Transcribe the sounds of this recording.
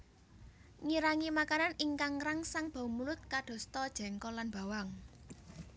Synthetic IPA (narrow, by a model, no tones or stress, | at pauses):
ŋiɾaŋimakananiŋkaŋɾaŋsaŋb̥a̤umulʊt̪̚kaɖ̥ɔ̤st̪ɔd̥ʒ̥ɛ̤ŋkɔlanb̥a̤waŋ